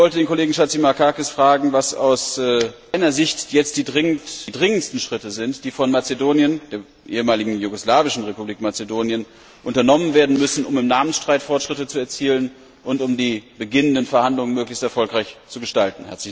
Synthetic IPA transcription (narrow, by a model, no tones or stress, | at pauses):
vɔltədeːnkoleːɡŋ̩ʃat͡simakʰakɪsfʁ̥aːɡŋ̩vasa̰ʊsɛːʔaɪnɐzɪçtjɛt͡st̚d̥iːdʁɪŋəntidʁɪŋənstn̩ʃʁ̥ɪtəzɪntd̥iːfɔnmat͡sedoːnjənd̥eːɐ | ʔḛːəmaːlɪɡŋ̩juɡoslaːvɪʃn̩ʁepubliːkmat͡sedoːnjən | ʔʊntɐnɔmənveːɐdn̩mʏsn̩ʊmɪmnaːmənsʃtʁ̥aɪtfɔɐtʃʁ̥ɪtət͡suɛɐt͡siːlən | ʔʊntʊmdiːbəɡɪnəndənfɛɐhandlʊŋənmøːklɪçstɛɐfɔlkʁaɪçt͡suɡəʃtaltn̩hɛ̰ɐt͡slɪ